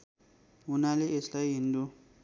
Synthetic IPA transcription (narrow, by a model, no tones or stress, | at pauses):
unaleeslajɦind̪u